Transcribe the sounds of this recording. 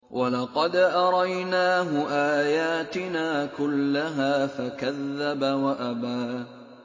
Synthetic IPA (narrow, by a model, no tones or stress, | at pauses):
wʔalɑqɑd̪ʔɑɾˤɑjnaːɦʊʔaːjaːt̪ɪnaːkʊlːaɦaːfakaðːabawaʔabaː